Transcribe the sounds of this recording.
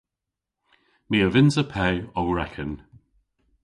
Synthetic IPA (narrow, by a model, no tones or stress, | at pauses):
miːəvɪnzəpʰɛjɔwɹɛkʰən